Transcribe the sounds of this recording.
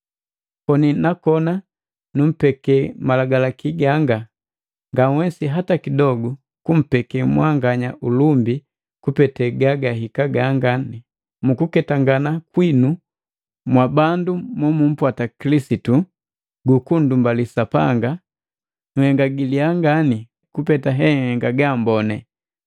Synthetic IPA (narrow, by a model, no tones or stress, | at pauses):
kɔninakɔna | num̩pɛkɛmalaɡalakiɡaŋɡa | ŋɡawɛsiɦatakidɔɡu | kum̩pɛkɛmwaŋɡaɲaʔulumbi | kupɛtɛɡaɡaɦikaɡaŋɡani | mukukɛtaŋɡanakwinu | mwabandumɔmum̩pwatakilisitu | ɡukundumbalisapa̰ŋɡa | ŋ̩hɛŋɡaɡiliaŋɡani | kupɛtaɦɛhɛŋɡaɡambɔnɛ